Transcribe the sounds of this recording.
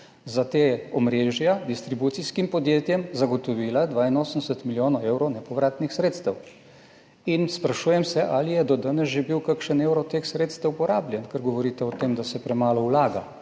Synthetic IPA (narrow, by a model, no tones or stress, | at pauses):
zat̪eːɔmɾeːʒjad̪ist̪ɾibuːt̪siskimpɔd̪jeːt̪jɛmzaɡɔt̪ɔʋiːlad̪ʋaːinoːsən̩d̪ɛsət̪miljoːnɔewɾɔnɛpɔʋɾaːt̪nixsɾeːt̪st̪ɛw | inspɾaʃuːjɛmsɛʔalijɛd̪ɔd̪anɛsʒɛbiwkakʃəneːwɾɔt̪eːxsɾeːt̪st̪ɛwupɔɾaːbljɛnkɛɾɡɔʋɔɾiːt̪ɛɔt̪eːmd̪asɛpɾɛmaːlɔulaːɡa̰